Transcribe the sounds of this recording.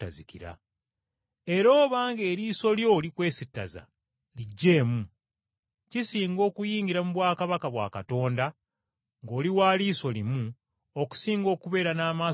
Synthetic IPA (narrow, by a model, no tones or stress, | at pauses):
a̰zikiɾa̰ | e̞ɾo̞ːβaːŋɡe̞ːɾiːso̞ljo̞likwe̞ːsitːa̰za̰ | liɟːe̞ːmu | cisiːŋɡo̞ːkujiːŋɡiɾamuβwaːkaβakaβwa̰ːkato̞ːnda | ŋɡo̞ːliwaːliːso̞limu | o̞ku̥siːŋɡo̞ːkuβe̞ːɾanaːmaː